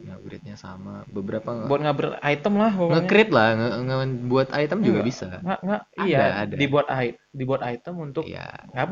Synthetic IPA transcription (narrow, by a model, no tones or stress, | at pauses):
ŋaʔbɾɪ̰t̪̚ɲasa̰mabəbəɾapaŋbuat̪̚ŋɡabərait̪əmlahboŋəɲkɾɪt̪̚lahŋəŋəbuat̪ajt̪əmd͡ʒuɡabisaŋaʔŋɡaʔijadaadadibuat̪ait̪̚dibuat̪ait̪əmunt̪ʊkja̰ŋɡa